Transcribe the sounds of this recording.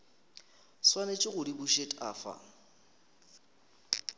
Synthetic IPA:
swanet͡ʃʼɪɣʊdibʊʃetʼa̰ːfa̰

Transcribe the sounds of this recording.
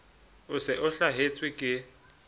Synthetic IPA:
ʊsɪʔʊɬaɦet͡sʼwɪkʼɪ

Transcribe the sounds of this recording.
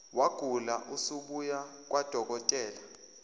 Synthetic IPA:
waɡ̥ʱulaʔusuɓujak̬ʼwʔad̥ʱɔk̬ɔtʼɛːla

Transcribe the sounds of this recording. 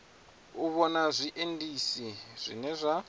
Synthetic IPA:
uβɔnazʷiʔendisiz̥ʷḭnɛzʷa

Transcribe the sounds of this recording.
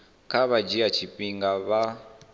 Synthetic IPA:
kʰaβad͡ʒiat͡ʃʰiɸʼiŋɡaβa

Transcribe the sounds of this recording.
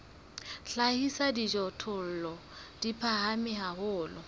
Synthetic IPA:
ɬahisadid͡ʒɔtʰʊl̩lɔ | d̥ipʰahamɪɦahʊːlɔ

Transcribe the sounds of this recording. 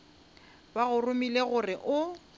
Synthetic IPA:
baɣʊrʊmileɣʊrɪʔʊ

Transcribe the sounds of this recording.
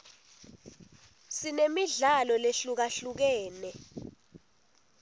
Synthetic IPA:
sinemiɮalɔleɬuk̬aɬuk̬ɛːnɛ

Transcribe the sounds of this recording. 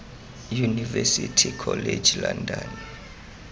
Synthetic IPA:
junivɛsitʰikʰɔled͡ʒʱlandʱan

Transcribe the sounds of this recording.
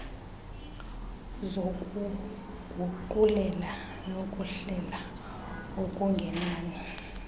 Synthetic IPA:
zou | ɡ̥ʱuǃulɛla | nokʼuɬɛla | okʼuŋɡʱɛnaːnɛ

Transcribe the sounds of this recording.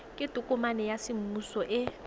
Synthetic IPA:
kʼɪtʼukʼumanɛjasɪm̩musɔʔɪ

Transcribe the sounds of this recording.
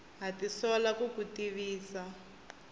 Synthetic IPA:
ɦatisɔlakukutiβiːsa

